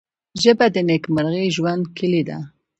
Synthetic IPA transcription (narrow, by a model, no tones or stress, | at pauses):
ʒəbad̪ənekmaɾɣeʒwand̪kʰəlid̪a̰